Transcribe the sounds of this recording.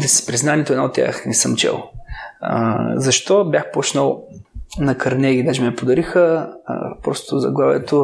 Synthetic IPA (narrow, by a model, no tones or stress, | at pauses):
d̪ɛspɾiznanʲiɛt̪oɛd̪aot̪ːʲja̰xnɛsəmt͡ʃɛ̰l̰ˠ | zɐʃt̪ɔbjaxpɔt͡ʃnəlˠnɐkɐɾnɛɡid̪aʒɛmɛpod̪ɐɾixə̰ | pɾɔst̪ozɐ̰ɡlˠavɛ̰t̪o